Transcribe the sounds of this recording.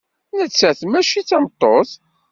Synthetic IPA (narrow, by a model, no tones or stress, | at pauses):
nət͡sːæθmæʃit͡sːɑmət̪ˤːoθ